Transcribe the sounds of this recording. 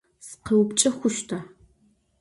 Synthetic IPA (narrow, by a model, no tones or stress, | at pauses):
sqɐwpt͡ʃʼɐxʷʊʃtʰaː